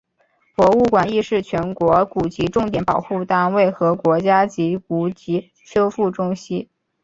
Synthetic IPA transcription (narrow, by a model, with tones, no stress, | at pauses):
pwɔ˧˥u˥˩kwa˨˩ni˥˧ʂɻ̩˥˩t͡ɕʰɥɛ˧˥nkwɔ˧˥ku˨˩t͡ɕi˧˥ʈ͡ʂʊ˥˩ŋt̪̬jɛ˨˩˥npɑ˨˩ʊxu˥˧t̪a˥˧nwe˥˩ɪxɤ˧˥kwɔ˧˥t͡ɕja˥t͡ɕi˧˥ku˧˥t͡ɕi˧˥ | t͡ɕʰjo˥ʊfu˥˩ʈ͡ʂʊ˥ŋɕi˥